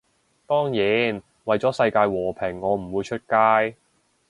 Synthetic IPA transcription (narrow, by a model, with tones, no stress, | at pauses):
t̪ɔː˥ŋjiː˨˥n | wɐ˨˩jt͡sɔː˨˥sɐ˧jkaː˧jwɔː˨˩pʰɛ˨˩ŋːɔː˨˧m̩˨˩wuː˨˧jt͡ʃʰɵ˥t̚kaː˥j